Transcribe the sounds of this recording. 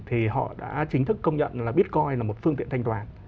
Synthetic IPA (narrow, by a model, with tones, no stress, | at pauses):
t̪ʰi˨˩ɦɔ̰˧˨ɗa̰ː˧˥t͡ɕï˨˦ŋ̟t̪ʰɨ˦˥kːə˧wŋ͡mɲə̰˧˨nlaː˨˩ɓi˦˥ət̚kɔ˧jlaː˨˩mo˨˩t̚fɨ˧əŋt̪ḭ˧˨nt̪ʰa˧jŋt̪waː˨˩n